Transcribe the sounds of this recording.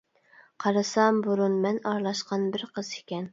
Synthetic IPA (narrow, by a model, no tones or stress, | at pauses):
qʰɑɾɨsɑmbuɾunmɛnɑɾlˠɑʃqɑnbɪɾqʰəz̥ɪkʲɛn